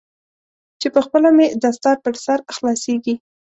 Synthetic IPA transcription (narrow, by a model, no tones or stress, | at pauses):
t͡ʃepəxpəlamed̪ast̪ɑɾpəɾsaɾxlɑseɡi